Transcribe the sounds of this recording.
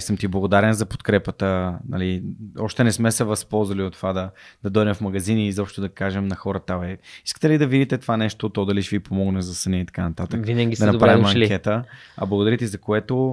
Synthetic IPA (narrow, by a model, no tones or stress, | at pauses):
səmt̪iblˠɐɡod̪aɾɛnzɐpo̥t̪kɾɛpət̪ənɐ̰liɔ̰ʃt̪ɛnɛsmɛsɛvɐspɔlˠzvɐliot̪ːovad̪ɐd̪̥ɐd̪ɔjd̪ɛmfmɐɡɐzinizɔpʃt̪ʊd̪ɐkaʒɛmnɐxɔɾət̪avɛi̥skə̥t̪ɛlid̪ɐvid̪it̪ɛt̪ovanɛʃt̪ot̪ɔd̪ɐliʃvipomɔɡnɛzɐsəniit̪ɐ̥kanɐt̪at̪əvinəɡʲid̪ɐnɐɾavimɐŋk̟ʲɛt̪əɐ̰blˠəɡod̪ɐɾit̪izɐkoɛt̪o